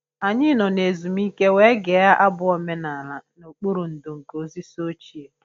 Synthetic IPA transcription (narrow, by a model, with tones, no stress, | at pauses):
a˨ɲɪ˦nɔ˨ne˨zu˨mi˦ke˦we˦ɡe˨˦a˦ʔa˦bʊ˦ɔ˦me˦na˨la˨no˨k͡pu˦ɾu˨n̩˨dʊ˨ŋ̩˨ko˨zi˦so˦t͡ʃi˨e˨